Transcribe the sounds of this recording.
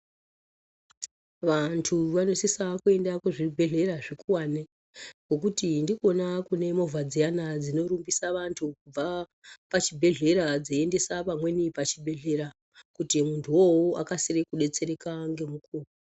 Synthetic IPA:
ʋantʰuʋano̞sisakue̞ndakuʐibʱe̞ɮe̞ɾaʐikuwane | ŋɡo̞k̬utindiko̞nakune̞mo̞vʱad͡zijanad͡zino̞ɾumbisaʋantʰukub͡va | pat͡ʃibʱe̞ɮe̞ɾad͡zoiende̞sapamwe̞nipat͡ʃibʱe̞ɮe̞ɾa | kutimuntʰuwowoʔa̰kasirekuɗe̞t͡se̞ɾe̞kaŋɡe̞mukʰuːku

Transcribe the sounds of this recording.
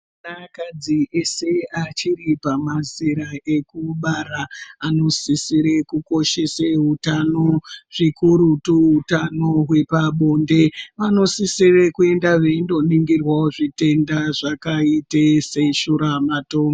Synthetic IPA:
nakad͡ziese̞at͡ʃiripamaziɾaʔe̞kuɓaɾaːno̞sisiɾekuko̞ʃe̞seɦutanoʐ̥ikuɾutuɦutano̞ɦwe̞paɓo̞ːnde̞ʋano̞sisirekue̞ndaʋendo̞niŋɡirwaoʐite̞ndaʐakaiteseʃuɾamatoːŋɡo

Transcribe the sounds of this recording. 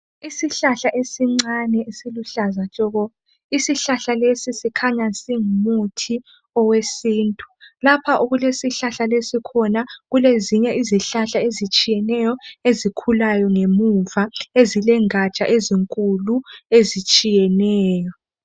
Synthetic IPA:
isiɬaɬaʔesiŋ͡ǀanɛesiluɬazat͡ʃʼɔɣɔ | isiɬaɬalesisikʰaɲasiŋumutʰi | ɔwesiːntʼu̥lapʰaʔuɣulesiɬaɬalesikʰɔnaɣuleziɲɛʔiziɬaɬaezit͡ʃʼijɛnɛjɔezikʰulajɔŋemuvaezilɛŋat͡ʃʼa̰ʔeziŋkʼuluezit͡ʃʼijɛnɛːjɔ

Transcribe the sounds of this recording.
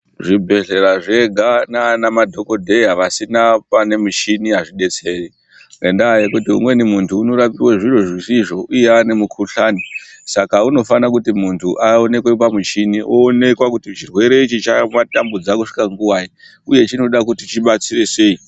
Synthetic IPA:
ʐibʱe̞ɮe̞ɾaʐe̞ɡʱanaːnamadʱo̞ko̞dʱe̞iɦaʋasinapane̞mut͡ʃiniɦaʐiɗe̞t͡se̞ːri | ŋɡendaːjekutiɦṵmwe̞nimuntʰuːno̞ɾapiwaʐiroʐisiʐo̞ʔuje̞ane̞mukʰuɬaːnisakauno̞fanakutimuntʰuʔao̞ne̞kwep̬amut͡ʃiniʔoːne̞kwakutit͡ʃirwe̞ɾe̞it͡ʃit͡ʃamatambud͡zakuʂi̥kaŋɡuwaji | uje̞t͡ʃino̞ɗakutit͡ʃiɓat͡sire̞se̞i

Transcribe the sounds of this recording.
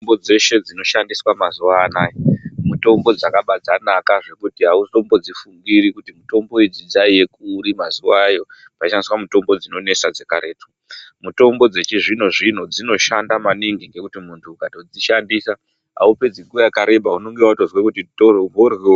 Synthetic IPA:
mbod͡ze̞ʃe̞d͡zino̞ʃandiswamazuʋaːnaːjimuto̞mbo̞d͡zakaɓad͡zanakaʐe̞kutiɦauo̞mbo̞d͡zifuŋɡiɾikutimuto̞mbo̞id͡zid͡zaije̞kuːɾimazuwaːjo̞ | paiʃandiswamuto̞mbo̞d͡zino̞ne̞sad͡zekaɾʔe̞ːto̥ | muto̞mbo̞d͡ze̞t͡ʃiʐin̤oʐin̤ud͡zino̞ʃandamaniŋɡiŋɡe̞kutimuntʰukatod͡ziʃandisa | ɦa̰upe̞d͡ziŋɡuwajakaɾe̞bʱauno̞ŋɡewauto̞zwekutitoorwe

